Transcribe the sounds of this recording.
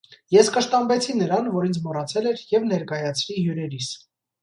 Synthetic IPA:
jɛskəʃt̪ɑmbɛt͡sʰinəɾɑnvɔɾint͡sʰmɔrɑt͡sʰɛlɛɾjɛvnɛɾkɑjɑt͡sʰɾiɦjuɾɛɾis

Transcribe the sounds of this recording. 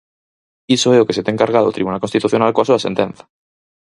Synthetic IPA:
isoeokeset̪eːŋkaɾɣ̞aðo̰t̪ɾiβunalkonst̪it̪uθjonalkoasuasent̪ẽn̟θḁ

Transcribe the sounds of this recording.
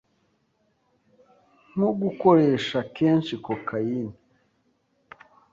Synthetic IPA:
ŋoɡukoɾeʃakeːnʃikokʰajini

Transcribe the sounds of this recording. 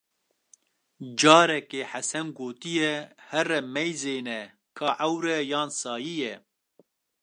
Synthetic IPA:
d͡ʒɑːɾɛkeːħasɛnɡoːt̪ijɛhɛrɛmɛjzeːnɛ | kʰɑːʔɐwɾɛjɑːnsɑːjijɛ

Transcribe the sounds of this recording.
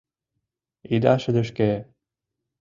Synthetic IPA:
id̪ɑʃɘ̆d̪ə̆ʃke

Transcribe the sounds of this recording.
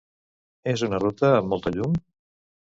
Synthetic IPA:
ezunərut̪əːmːɔlˠt̪əʎum

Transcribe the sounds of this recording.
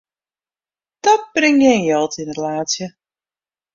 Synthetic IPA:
d̥ɔt̚b̥rɪŋjɛnjɔlˠtinlaːsjə

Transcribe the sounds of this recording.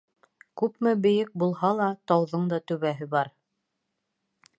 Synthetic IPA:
kʉpmɘbɘ̆jɘk̚bulˠhɑlˠɑt̪ɑwðɤɴd̪ɑt̪ɵ̆βæɦɘbɑɾ

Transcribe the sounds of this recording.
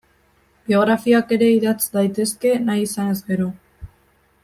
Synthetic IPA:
bio̞ɣ̞ɾafiake̞ɾe̞iðat͡sd̪ajt̪e̞ske̞najisane̞zɡe̞ɾo̞

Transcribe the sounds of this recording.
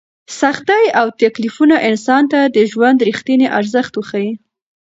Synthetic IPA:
saxt̪ajawt̪aklifunaʔɪnsɑnt̪ad̪əʒwand̪ɾixt̪ineʔaɾzəxt̪wəxaji

